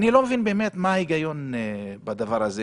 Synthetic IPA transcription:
nilo̞mevinbeːmet̪maaiɡajo̞nbad̪avaʁaze

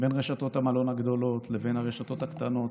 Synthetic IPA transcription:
be̞nʁeʃat̪o̞t̪hamalo̞naɡd̪o̞lot̪le̞ve̞naʁeʃat̪o̞t̪hakt̪ano̞t̪

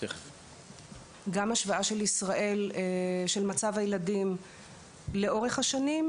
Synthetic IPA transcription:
e | ɡamaʃvaaʃe̞lisʁaʔe̞lʃe̞lmat͡savajeladim | le̞ʔo̞ʁe̞χhaʃanim

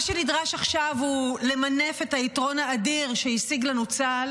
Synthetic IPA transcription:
ʃenidʁaʃaχʃavhule̞mane̞fe̞taitʁo̞naːdiʁʃeisiɡlanut͡sal

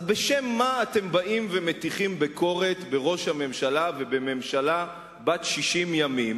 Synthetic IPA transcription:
beʃemːaːte̞mbaʔimvemet̪iχimbekʰo̞ʁe̞t̪be̞ʁo̞ʃhame̞mʃalave̞beme̞mʃala | bat̪ʃiʃimjamim

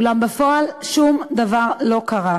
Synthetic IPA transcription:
lambefo̞alʃumd̪avaʁlo̞kaʁa

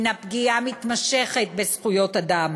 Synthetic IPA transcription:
napɡiamit̪maʃeχet̪̚besχujo̞t̪ad̪am

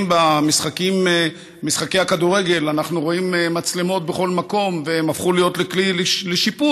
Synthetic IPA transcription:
mbamisχakim | misχake̞jhakaduʁe̞ɡe̞lanaχnuʁo̞immat͡sle̞mo̞t̪̚beχo̞lmako̞mveemafχulijo̞t̪leklilleʃipu

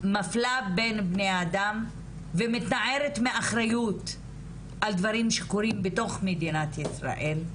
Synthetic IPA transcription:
maflabe̞nbnejadam | vemit̪naʕeʁet̪meaχɾajut̪ | ʔald̪vaɾimʃekoɾimbeto̞χmed̪inat̪jisʁa̰ʔel

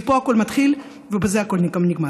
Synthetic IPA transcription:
poako̞lmat̪χil | vebezeako̞lnikamniɡma

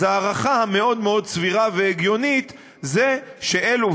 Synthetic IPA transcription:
aːʁaχahame̞o̞d̪me̞o̞d̪t͡sviʁave̞eɡjo̞nit̪ | zeʃe̞ʔelu

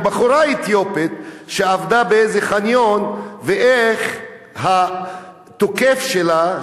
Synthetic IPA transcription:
baχoɾait̪jopit̪ʃeavd̪abeejzeχanjonveʔeχ | ɦa | t̪okefʃela

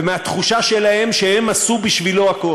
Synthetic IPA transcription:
meat̪χuʃaʃe̞lahe̞mʃehe̞masubiʃviloako̞

